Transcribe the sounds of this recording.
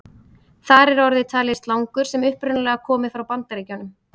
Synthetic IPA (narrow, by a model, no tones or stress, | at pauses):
θaɾɛɾɔɾðɪt̪ʰaːljɪst̪lawŋkʏɾ̥sɛmʏhpɾʏnalɛɣakʰɔːmɪfɾawpant̪aɾicawnʏm